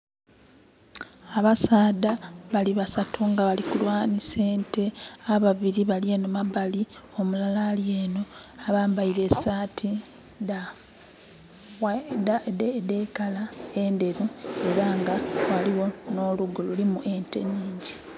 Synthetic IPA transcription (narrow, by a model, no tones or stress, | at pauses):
aβasaːdaβaliβasatʰuŋɡaβalikulwaːnise̞ːnte̞aβaβiɾiβaljenomabali | o̞mulalalje̞ːno̞aβaːmbaiɾe̞saːtʰi | da | daddekalaende̞ɾue̞ɾaŋɡawaliwo̞no̞luɡululimuʔe̞nte̞̰niːɲɟi